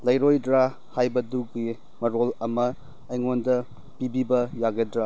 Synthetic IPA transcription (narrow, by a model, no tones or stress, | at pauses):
lɐjɾojdɾa | hajbɐduɡi | mɐɾolɐmɐː | jŋondɐ | pibibɐjaɡedɾa